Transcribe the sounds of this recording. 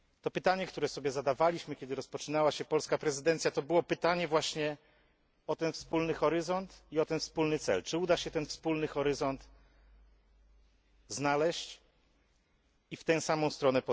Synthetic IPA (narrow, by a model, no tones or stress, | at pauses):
t̪ɔpɘt̪aɲɛkt̪uɾɛsɔbʲjɛzad̪avalʲiɕmɘkʲɛd̪ɘɾɔspɔt͡ʂɘnawaɕɛpɔlskapɾɛzɘd̪ɛnt̪sjat̪ɔbɘwɔpɘt̪aɲɛvwaɕɲɛ | ɔt̪ɛnfspulnɘxɔɾɘzɔnt̪iɔt̪ɛnfspulnɘt̪sɛ̰lt͡ʂɘud̪aɕɛt̪ɛnfspulnɘxɔɾɘzɔnt̪ | znalɛɕt͡ɕ | ift̪ɛw̃samɔ̃w̃st̪ɾɔnɛpɔ